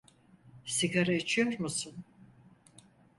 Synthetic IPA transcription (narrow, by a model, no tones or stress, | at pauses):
siɡaɾait͡ʃʰijoɾmusun